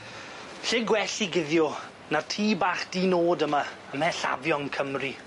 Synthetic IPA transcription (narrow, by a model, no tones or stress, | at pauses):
ɬɪɡwɛɬiɡɪðjɔ | nartʰiːbaːχd̥iːnoːdəma | əmɛɬa̰vjɔnkʰəmri